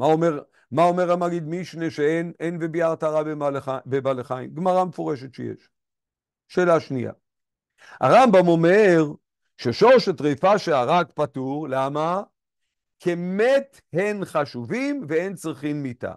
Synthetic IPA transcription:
maomeʁ | mao̞meʁamaɡid̪miʃneʃeenenvebiaʁt̪aʁabealabebaleχaḭmɡmaʁamefoʁeʃetʃḛjḛʃ | ʃe̞ːlaʃnija̰ | a̰ʁambamo̞me̞ʁ | ʃeʃoʁʃet̪ʁifaʃeaʁakpatuʁlama | kʰemet̪ | henχaʃuvimveent͡sʁiχimːita̰

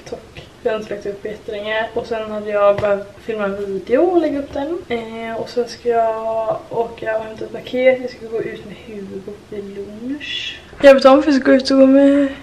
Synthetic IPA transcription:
t̪ʰɔkː | jɑɵnslak̚t̪ɵpːbɛt̪ːlɛŋaɾɔsɛnhad̪ːəjɑbɛhœːvt̪fɪlmaɛnviːd̪ɛʊɔlɛɡːaɵpːd̪ɛnɔsɛnskajɑ | oːkaɔnt̪ʰət̪pakʰeːt̪jɑskalɡoːʔʉ̟ːt̪mɛhʉ̟ːvəd̪bʊɪlunʂ | jɑbɛt̪ɔmfœɾskaɡoːʉ̟ːt̪ɔɡoːmɛ

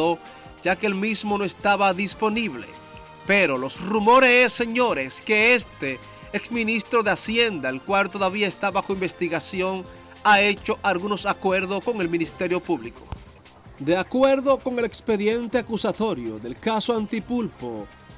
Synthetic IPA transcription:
o | d͡ʒake̞ːlmizmo̞noe̞st̪aβaðispo̞niβle̞̰ | pe̞ɾo̞lo̞srumo̞ɾesesːe̞ɲo̞ɾe̞ske̞est̪e | eksmĩnist̪ɾo̞ðeasje̞nd̪aelkwalt̪o̞ðaβiaest̪aβaxo̞imbe̞st̪iɣasjo̞ŋ | ae̞t͡ʃo̞ʔalɣuno̞sakwe̞ɾðo̞sko̞ŋe̞lmĩnist̪e̞ɾjo̞puβliko | d̪e̞akwe̞ɾðo̞ko̞ŋe̞lekspeðje̞nt̪e̞akusat̪o̞ɾjo̞̰ðe̞lkasoant̪ipulpo̰

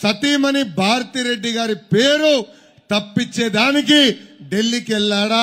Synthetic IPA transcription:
sɐt̪iːmɐnibʱaːɾɐt̪iːɾe̞ɖːiɡaːɾipe̞ːɾu | t̪ɐpːit͡ʃːeːd̪aːnik̬iɖe̞lːikɛlːaːɽa

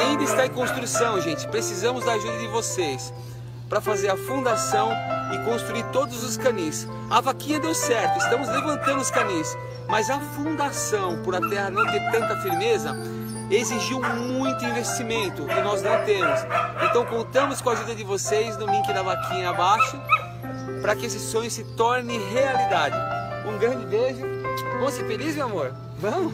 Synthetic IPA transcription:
aĩnd̪ɐɪst̪aẽkõst̪ɾusɐ̃w̃ʒẽnt͡ʃɪ̥pɾesizɐ̃mʊzd̪ɐaʒud̪ɐd͡ʒɪvosejs | pɾɐfazeɾɐfũnd̪asɐ̃w̃ɪkõst̪ɾuiɾt̪od̪ʊzʊskɐ̃nĩs | ɐvakĩɲɐd̪ewsɛɾt̪ʊɪst̪ɐ̃mʊzlevɐ̃nt̪ɐ̃nd̪ʊskɐ̃nis | mɐzɐfũnd̪asɐ̃w̃pʊɾɐt̪ɛhɐnɐ̃w̃t̪eɾt̪ɐ̃nt̪ɐfiɾmezɐ | eziʒiwmũj̃t̪ʊĩvest͡ʃimẽnt̪ʊkɪnɔznɐ̃w̃t̪ẽmʊsẽnt̪ɐ̃w̃kõnt̪ɐ̃mʊskõaʒud̪ɐd͡ʒɪvosejznʊmĩkɪd̪ɐvakʰĩɲɐabaʃʊ | pɾɐkɪesɪsõj̃ʊsɪt̪ɔɾnɪ̃ɦealid̪ad͡ʒɪũɡɾɐ̃d͡ʒɪbeʒʊkõsɪfelizmewamoɾ | vɐ̃mʊ

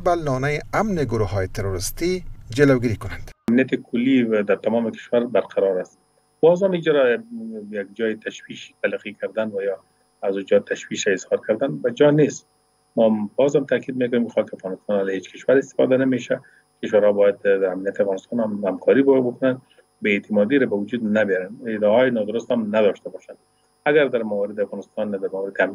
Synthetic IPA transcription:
balɔnajɪamnɪɡʊɾuɦɑjet̪eɾoɾɪst̪id͡ʒɪlawɡiɾikʊnand̪̥amnijat̪ɪkʰʊlːid̪aɾt̪amɔmɪkɪ̥ʃwaɾbaɾqʰaɾɒɾast̪ | b̥ɒzamid͡ʒaɾajaɡ̚d͡ʒɔjɪt̪ʰaʃwiʃt̪aliqikʰaɾd̪anwajɔ | azud͡ʒɒt̪ʰaʃwiʃɾaɪzhɑɾkaɾd̪anbad͡ʒɒnest̪ | mɔbɒzhamt̪akid̪̚mekʊnemkɪ̥xɒkɪafɣɑnɪst̪ɑnalhet͡ʃkɪʃwaɾɪst̪ɪ̥fɔ̰d̪anameʃa | kɪʃwaɾhɔbɑjad̪̚amnijat̪ɪafɣɑnɪst̪ɑnamhamkʰɔɾibbʊkʊnan | beːt̪ʰɪmɔd̪iɾabawʊd͡ʒud̪nabjɔɾanɪd̪ɔɦɔjɪnɔd̪ʊɾʊst̪hamnad̪ɔʃt̪abɔʃan | aɡaɾd̪aɾmawɔɾɪd̪ɪafɣɑnɪst̪ɑnd̪amawɾɪd̪ɪam

